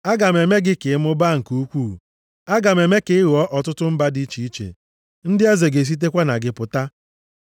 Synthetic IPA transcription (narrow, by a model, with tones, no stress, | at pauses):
a˦ɡa˨m˨e˨me˦ɡɪ˦kɪ˨˦mʊ˦ba˦ŋ̩˨ku˦kʷuː˦˨ | a˦ɡa˨me˨me˦kɪ˨˦ɣɔ˦ʔɔ˨tʊ˦tʊ˦m̩˦ba˦di˦t͡ʃi˦i˦t͡ʃḛ˨ | n̩˦dɪ˦e˦ze˨ɡe˨s̬i˦t̬e˦kʷa˦na˨ɡɪ˦pʊ˨ta˦